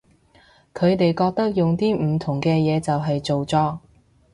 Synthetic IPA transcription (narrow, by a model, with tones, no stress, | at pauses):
kʰɵ˨˧ɥt̪e˨jkɔː˧k̚t̪ɐ˥k̚jʊ˨ŋt̪iː˥m̩˨˩t̪ʰʊ˨˩ŋkɛː˧jɛː˨˧t͡sɐ˨wɦɐ˨jt͡so˨wt͡sɔː˧